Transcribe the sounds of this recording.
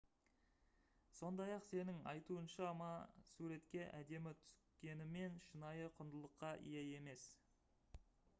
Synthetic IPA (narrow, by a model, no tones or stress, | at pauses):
so̞nd̪ɑjɑqse̞nɪŋɑ̰jt̪uənʃɑmɑsuɾe̞t̪kʲe̞ʔæd̪e̞mɪt̪ʰʏ̥skʲe̞nɪme̞nʃənɑjəqʰʊnd̪əlˠəqːɑʔḭjeje̞me̞s